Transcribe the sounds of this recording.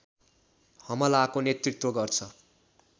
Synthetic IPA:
hʌmʌlakonet̪rit̪woɡʌrt͡sʰʌ

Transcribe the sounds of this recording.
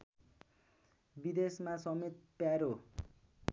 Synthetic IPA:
bid̪esmasʌmet̪̚pjaɾo

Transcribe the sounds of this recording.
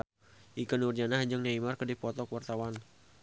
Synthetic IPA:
ʔikənurd͡ʒanahɲd͡ʒɨŋɲaimarkədipɔt̪ɔkəwart̪awan

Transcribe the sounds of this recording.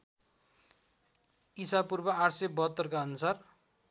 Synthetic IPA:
isapurbʌaʈsebʌɦʌt̪ːʌrkaʌnusar

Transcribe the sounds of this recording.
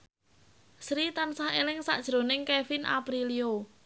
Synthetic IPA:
sɾit̪ansahelɪŋsa̰ʔd̥ʒ̥ɾonɪŋkɛfinʔa̰pɾilio

